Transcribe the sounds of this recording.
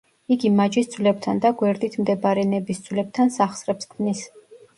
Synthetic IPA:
iɡimad͡ʒisd̪zvlɛb̚t̪ʰand̪aɡwɛɾd̪it̪ʰmd̪ɛbaɾɛnɛbisd̪z̥ʰvlɛb̚t̪ʰansaχsɾɛpskʰnis

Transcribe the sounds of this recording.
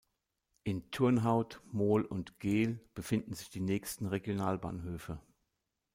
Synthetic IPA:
ʔɪntʰʊɐnɦaʊtmoːlʊ̰ntɡ̥eːlb̥əfɪndn̩zɪçd̥iːnɛːçstn̩ʁeɡjonaːlba̰ːnɦøːfə

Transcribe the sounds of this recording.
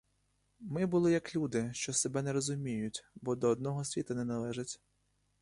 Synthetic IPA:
mɪbʊlˠɪjɐklʲud̪ɪʃt͡ʃɔsebɛnɛɾɔzʊmʲijʊtʲbɔd̪ɔːd̪nɔɦɔsʲʋʲit̪ɐnɛnɐlˠɛʒɪtʲ

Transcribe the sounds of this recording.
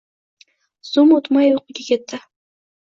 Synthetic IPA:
zumot̪mɑjoqʊɡʲakʰʲet̪ːɪ

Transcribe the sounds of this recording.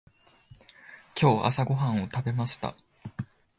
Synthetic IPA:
kʲo̞ːa̰saɡo̞ɦãɰ̃o̞t̪abe̞maɕi̥t̪a̰

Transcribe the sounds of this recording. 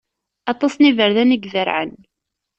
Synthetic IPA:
ɑt̪ˤɑsˤnivəɾðænəɡvəɾʕə̰n

